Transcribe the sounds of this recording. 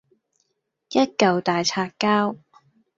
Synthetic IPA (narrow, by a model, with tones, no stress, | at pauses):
jɐ˥t̚kɐ˨wt̪aː˨jt͡sʰaː˧kkːaː˥w